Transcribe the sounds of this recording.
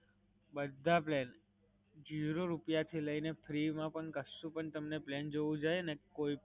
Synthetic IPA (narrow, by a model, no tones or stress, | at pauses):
bəd̪ʱaplɛn | d͡ʒiɾoɾupjat̪ʰiləinefʰɾimãpəɳkəsːũpəɳt̪əmneplend͡ʒoʋũd͡ʒajenekoip